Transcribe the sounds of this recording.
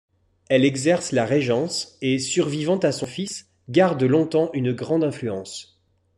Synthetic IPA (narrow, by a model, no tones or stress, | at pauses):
ɛlɛɡzɛʁslaʁeʒɑ̃sesyʁvivɑ̃t̪asɔ̃fis | ɡaʁd̪əlɔ̃t̪ɑ̃ʔynɡʁɑ̃d̪ɛ̃flyɑ̃s